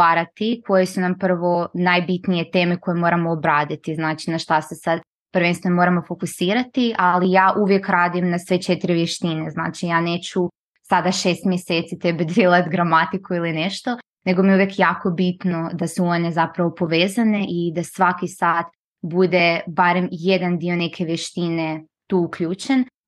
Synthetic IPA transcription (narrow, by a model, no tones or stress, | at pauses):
aːɾat̪ikʰo̞jesunampr̩ʋo̞najbit̪nije̞t̪e̞ːme̞ko̞jemo̞ːɾamoːbɾaːd̪it̪iznaːt͡ʃinaʃt̪asesad̪ | pɾ̩ʋenst̪enomo̞ɾamo̞fo̞kusiːɾat̪iʔalijaːʔuʋje̞kɾaːd̪imnasʋe̞t͡ʃe̞t̪ɾiʋjeʃt̪inezna̰ːt͡ʃijaːne̞ːt͡ɕu | sad̪aʃe̞ːst̪mjeseːt̪sit̪ebed̪ɾilˠat̪ɡɾamat̪ikuilineʃt̪o̞ | ne̞ɡomijuʋjekjaːko̞bit̪no̞d̪asuo̞ne̞zapɾaʋo̞po̞ʋeːzane̞ʔid̪asʋakisaːt̪ | bud̪e̞baɾe̞mjed̪and̪io̞ne̞kʰe̞ʋjeʃt̪ine̞ | t̪uːukʎuːt͡ʃen